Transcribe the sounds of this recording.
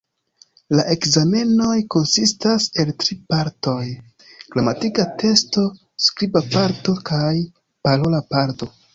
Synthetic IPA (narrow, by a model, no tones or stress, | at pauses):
laʔe̞kzame̞no̞jko̞nsistase̞ltɾipaɾto̞j | klamatikatʰe̞sto̞ | skɾibapaɾto̞kaj | paɾolapaɾto̞